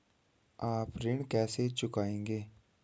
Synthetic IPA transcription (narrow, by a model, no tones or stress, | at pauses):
aːpɾɪɳkɛːset͡ʃʊkaːẽːŋ̆ɡeː